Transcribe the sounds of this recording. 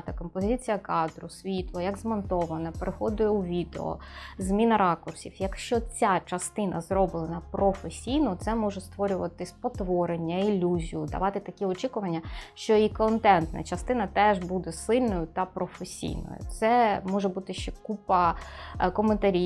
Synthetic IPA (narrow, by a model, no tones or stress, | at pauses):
t̪ɐkɔmpɔzʲit͡sʲijɐkɑd̪ɾʊsʲʋʲit̪lˠɔjɐɡzmɔnt̪ɔʋɐnɐpeɾɪxɔd̪ʊjɛuʋʲid̪ḛɔ̰zmʲinɐɾɑkʊrsʲḭfjɐkʃt͡ʃɔt͡sʲat͡ʃɐst̪ɪnʔɐ̰zɾɔbɪlˠɐnɐpɾɔfesʲijnʊt̪sɛmɔʒɛst̪ʋɔɾʲʊʋɐt̪ɪsʲpɔt̪ʋɔɾenʲːɐilʲuzʲijʊd̪ɐ̰ʋɑt̪ɪt̪ɐkʲiɔt͡ʃikʊʋɐnʲːɐʃt͡ʃɔikɔnt̪ɛnt̪nɐ̰t͡ʃɐst̪ɪnɐt̪ɛʒbud̪ɛsɪlʲnɔjʊt̪ɐpɾɔfesʲḭjnɔ̰jʊ̰t̪sɛmɔʒɛbut̪ɪʃt͡ʃɛkupɐ | kɔment̪ɐɾʲi